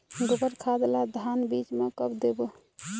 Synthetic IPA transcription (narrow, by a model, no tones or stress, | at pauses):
ɡobəɾkʰad̪lad̪ʱanbit͡ʃmekəbd̪ebu